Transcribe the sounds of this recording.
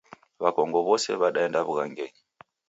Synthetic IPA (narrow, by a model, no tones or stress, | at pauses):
βakɔŋɡɔβɔsɛ̰βaɗaendaβuɣaŋɡɛɲi